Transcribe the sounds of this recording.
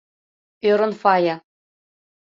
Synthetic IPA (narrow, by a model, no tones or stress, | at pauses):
øɾɤ̆nfɑjɑ